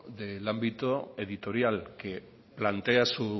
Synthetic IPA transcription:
ðelambit̪oe̞ðit̪o̞ɾjalke̞ | plant̪e̞asu

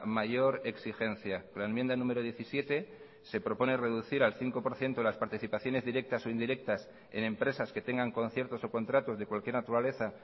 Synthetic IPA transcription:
maʝo̞ɾe̞ksixe̞nθjakolaemjend̪anũme̞ɾoð̞je̞θisje̞t̪e̞ | se̞pɾo̞po̞ne̞re̞ðuθiɾalθiŋko̞po̞ɾθje̞nt̪olaspaɾt̪iθipaθjo̞ne̞zðiɾe̞k̚t̪aso̞ind̪iɾe̞k̚t̪as | e̞̰nẽ̞mpɾe̞saske̞t̪e̞ŋɡaŋko̞nθje̞ɾt̪o̞so̞ko̞nt̪ɾat̪ozðe̞kwalkje̞ɾnat̪uɾale̞θa

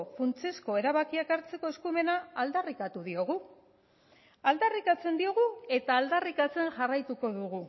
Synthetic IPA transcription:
funt͡sesko̞e̞ɾaβakiakaɾt͡se̞ko̞e̞skume̞naːld̪arikat̪uðio̞ɣ̞u | ald̪arikat͡se̞nd̪io̞ɣ̞ue̞t̪aːld̪arikat͡se̞nʝarajt̪uko̞ðuɣ̞u

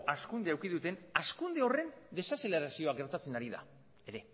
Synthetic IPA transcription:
askund̪eawkiðut̪e̞naskund̪e̞o̞re̞nd̪e̞sase̞le̞ɾasio̞aɡe̞ɾt̪at͡se̞naɾiða̰ | e̞ɾe̞

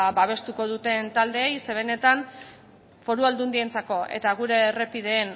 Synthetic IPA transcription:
baβ̞e̞st̪uko̞ð̞ut̪e̞nt̪ald̪e̞ːjse̞β̞ene̞t̪an | fo̞ɾuald̪und̪ie̞nt͡sako̞ʔe̞̰t̪aɣ̞uɾe̞re̞pið̞e̞ːn

